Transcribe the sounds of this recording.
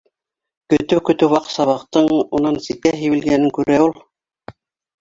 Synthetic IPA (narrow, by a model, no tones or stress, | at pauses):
kɵ̆t̪ɘwkɵ̆t̪ɘwwɑqsɑβɑqt̪ɤɴunɑnsikæɦiwɘ̆lɡænɘŋkʉɾæulˠ